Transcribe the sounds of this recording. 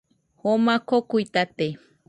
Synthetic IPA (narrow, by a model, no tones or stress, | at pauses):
homakʰokuit̪at̪e